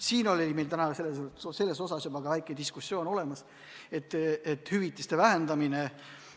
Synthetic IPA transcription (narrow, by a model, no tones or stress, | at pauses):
siːno̞lʲolʲime̞jlt̪ænɑkse̞lːese̞lːe̞so̞sɑsjubɑɡ̥ɑvæjkˑed̪iskusjo̞ːno̞le̞mɑs | e̞t̪ːˑet̪ːhyvit̪ːˑist̪evæɦend̪ɑmine